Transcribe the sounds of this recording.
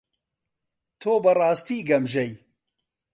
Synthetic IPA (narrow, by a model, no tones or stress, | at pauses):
t̪ʰoːbɐrɑːst̪iːɡɐmʒɐj